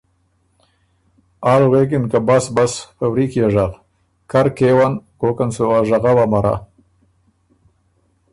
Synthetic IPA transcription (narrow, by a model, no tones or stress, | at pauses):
aːlwek̬ɪnkabasbasfawɾikjaʒal | kaɾkewankoːkansoaʒaɣawamaɾʔa̰